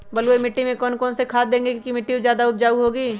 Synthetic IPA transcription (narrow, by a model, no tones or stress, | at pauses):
bɐlwemɪʈːimẽkɔːnkɔːnsekʰaːd̪ẽːŋɡekːkimɪʈːiozjaːd̪aʊp̚d͡ʒaːiɦoːɡiː